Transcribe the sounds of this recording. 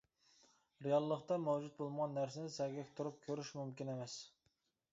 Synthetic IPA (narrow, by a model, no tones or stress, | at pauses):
ɾejɑlˠːəχt̪ɑmɛwd͡ʒut̪̚bolˠməʁɑnːæɾsɪnɪsɛɡʲɛkʲt̪ʰuɾup̚kʲʰøɾyʃmymkʲinemɛs